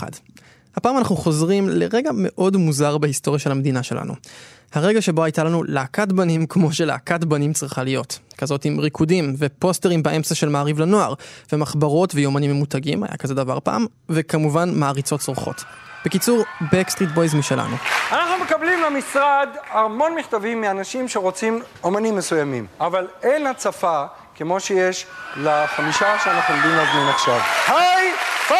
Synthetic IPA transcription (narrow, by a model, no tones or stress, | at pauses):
a̰d | hapaːmanaχnuχo̞zʁimle̞ʁe̞ɡame̞ʔo̞dmuzaʁbehisto̞ʁjaʃe̞lhamed̪inaʃe̞lʔa̰nṵ | haʁe̞ɡaʃe̞bo̞ajtalanulaːkatbanimkmo̞ʃe̞la̰ːkatbanimt͡sʁiχalijo̞tkazo̞timʁikʰudimve̞po̞ste̞ʁimbeʔe̞mt͡saʃe̞lmaːʁivlano̞aʁvemaχbaʁo̞tvejomanimːemutaɡima̰ja̰kaze̞dava̰ʁpa̰ːm | vekamuvanmaːʁit͡so̞tsʁouχo̞̰t | b̥e̞kit͡suʁbekst̪ʁitbojzmiʃela̰nuanaχnume̞kablimlemisʁad̪haʁmo̞nmiχt̪avimːianaʃimʃeʁo̞t͡sim | omanimːesujamimavalenhat͡safa | kemo̞ʃejeʃlaχamiʃaʃeanaχnuod̪imlazmanaχʃavhaj